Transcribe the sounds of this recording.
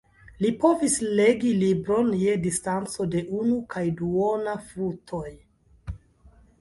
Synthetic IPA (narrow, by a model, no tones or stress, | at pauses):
lipo̞visleɡilibɾo̞nje̞distant͡so̞de̞ʔunukʰajduonafutʰo̞j